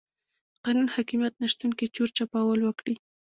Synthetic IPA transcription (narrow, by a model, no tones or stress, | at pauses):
qɑnunhɑkimjat̪naʃt̪unket͡ʃoɾt͡ʃapɑwəlwəkɽi